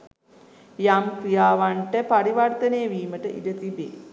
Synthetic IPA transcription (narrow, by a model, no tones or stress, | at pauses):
jamkɾijaːʋaɳʈəpaɾiʋart̪ənejəʋiːməʈəʔḭdət̪ibḛː